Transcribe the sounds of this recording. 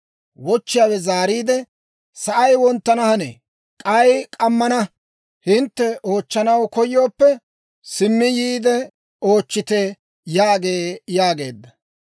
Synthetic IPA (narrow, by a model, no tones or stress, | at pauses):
wɔt͡ʃːɪjaːwɛzaːɾiːd̪ɛ | sɐʔɐjwɔnt̪ːɐnɐhɐnḛː | kʼɐjkʼɐmːɐnɐ | hɪnt̪ːɛo̞ːt͡ʃːɐnɐwkɔjːo̞ːpːɛ | sɪmːɪjiːd̪ɛ | o̞ːt͡ʃːɪt̪e | jaːɡeːjaːɡe̞̰ːd̪ːɐ